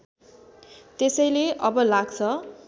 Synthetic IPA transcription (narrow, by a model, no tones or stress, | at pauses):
t̪esʌjleʔʌbʌlaɡt͡sʰʌ